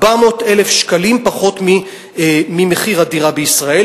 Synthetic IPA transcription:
bamo̞telefʃkalimpaχo̞tmi | mimeχiʁadiʁabeisʁae

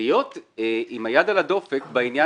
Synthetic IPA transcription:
ijo̞t̪eʔimajad̪alado̞fekbainja

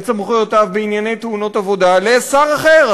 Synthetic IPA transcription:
t͡samχujot̪avbeinjane̞jt̪euno̞t̪avo̞d̪alesaʁaχeʁ

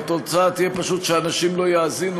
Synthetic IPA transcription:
t̪ot͡sat̪ijɛpaʃut̪ʃeanaʃimlo̞jaːzin

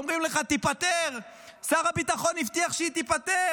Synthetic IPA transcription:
omʁimleχat̪ipat̪eʁ | saʁabit̪aχo̞nift̪iaχʃeit̪ipat̪e

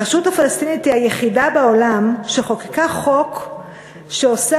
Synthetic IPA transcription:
eʃuthafalast̪init̪iajeχidabeolamʃeχo̞ki̥kaχok | ʃeosa

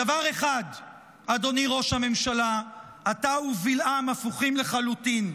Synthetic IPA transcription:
davaʁe̞χad | ado̞niʁo̞ʃhame̞mʃala | atauvilʔamafuχimle̞χalutin

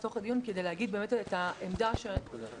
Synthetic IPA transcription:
t̪o̞χad̪ijunked̪ejlehaɡid̚beːmet̪etaemd̪aʃe

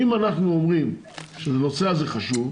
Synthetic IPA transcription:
imanaχnuomʁim | ʃezenot͡seazeχaʃuv

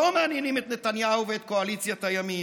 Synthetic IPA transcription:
omeːnjenimet̪net̪anjahuveːt̪̚ko̞alit͡sjat̪ajami

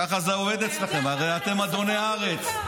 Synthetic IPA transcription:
aχazeoved̪et͡slaχe̞maʁejat̪e̞mad̪o̞neaaʁet͡s

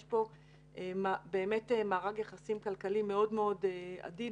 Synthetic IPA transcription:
ʃbo̞ | ʔmabe̞ːme̞temaːʁaɡjaχasimkalkalime̞o̞dmeo̞dea̰di

